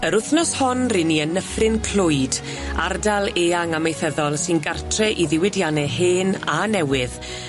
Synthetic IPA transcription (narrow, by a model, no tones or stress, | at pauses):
əɾʊθnɔshɔnrɪniənəfrɪnkʰl̥ʊjd | a̰rdalˠeːaŋamejθɛðɔlˠsɪnɡartʰrɛʔiðɪwɪdjanɛheːnanɛwɪð